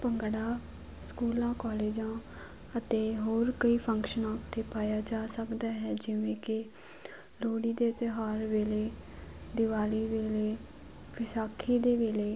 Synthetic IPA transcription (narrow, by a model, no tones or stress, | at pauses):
pəŋɡɽaː | skuːlãːkɔːleːd͡ʒãː | ət̪eːɦoːɾkəiːpʰəŋkʃənãːt̪ʰeːpaːjaːd͡ʒaːsəkd̪aːɦɛːd͡ʒɪʋẽːkɪ | loːɽiːd̪eːt̪ɪɦaːɾʋeːleːd̪ɪʋaːliːʋeːleː | bɪsaːkʰiːd̪eːʋeːleː